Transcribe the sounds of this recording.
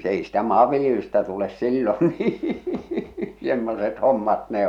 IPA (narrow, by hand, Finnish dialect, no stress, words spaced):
s ei stæ mɑːʋːiljelystæ tules silːon niː semːoset homːɑt ne